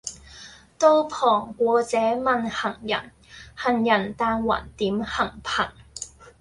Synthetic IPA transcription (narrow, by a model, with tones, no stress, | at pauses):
t̪o˥wpʰɔː˨˩ŋkʷɔː˨˧t͡sɛː˨˥mɐ˨nhɐ˨˩ŋjɐ̰˨˩n | hɐ˨˩njɐ˨˩nt̪aː˧nwa̰ː˨˩nt̪iː˨˥mhɐ˨˩ŋpʰɐ˨˩ŋ